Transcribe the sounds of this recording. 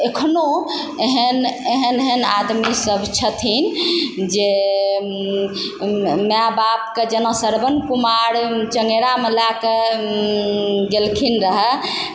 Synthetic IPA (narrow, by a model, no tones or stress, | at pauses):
ekʰno | eɦəneɦəneɦənad̪misəbʱt͡ʃʰət̪ʰind͡ʒe | mabapked͡ʒənasəɾbənkumaɾt͡ʃəŋɡeɾamelake | ɡelkʰinɾəɦə